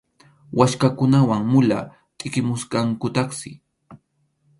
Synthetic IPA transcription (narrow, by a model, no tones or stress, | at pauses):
wʔaʃkakʊnawaŋmʊla̰ː | t̪ʼɪkɪmʊsɢɑŋkʊt̪ɑχsɪ